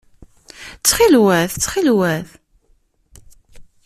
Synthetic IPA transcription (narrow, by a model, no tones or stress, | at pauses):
t͡sːχilwæθt͡sːχilwæθ